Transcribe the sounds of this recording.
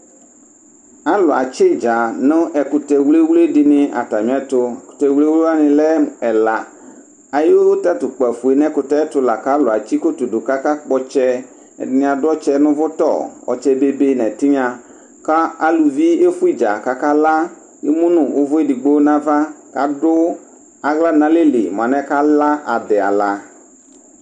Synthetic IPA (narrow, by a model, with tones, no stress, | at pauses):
a˨lʊ˨a˨t͡ʃe˦d͡ʒa˨nʊ̃˦ʔɛ˨ku˨t̪ɛ˨wle˦wlɖi˨nɪ̃˦a̰˨t̪a˨mĩ˨˦a˨t̪ʊ˦˨ku̥˨t̪ɛ˨wle˦we˦a˦nɪ̃˨lɛ˦ɛ˨la˨ | a˨je˦wo˦wo˦t̪a˦t̪ʊ˨k͡pɛ˨fu˨e˨nɛ̃˦kʊ˨t̪ɛ˦ɛ˦t̪ʊ˦la˨ka˦lʊ˨a˨t͡ɕi˦ko˦t̪o˨ɖo˨ka˦ka˦k͡pɔ˦t͡ʃɛ̰˦˨ | ɪ˨n˨ã˨dʊ˦ɔ˦t͡ʃɛ˦nʊ̃˦vʊ˦t̪ɔ̰˦˨wɔ̰˨t͡ʃɛ˦be˦be˦nɛ̃˨t̪i˦ɲã˨ | ka˦a˦lu˨vi˦e˦fu˦i˦d͡ʒa̰˨ka˨ka˦la˦ | je˦mũ˦nʊ̃˨wʔo˦vʊ˦e˦di˨ɡ͡bo˦wnã˦va˦ka˦ɖʊ˦ | a˨ɣla˦nã˦le˦lḛ˨mõ˨a˨nɛ̃˦ka˦la˦ʔa˨d̪ɛ˨a̰˨la˨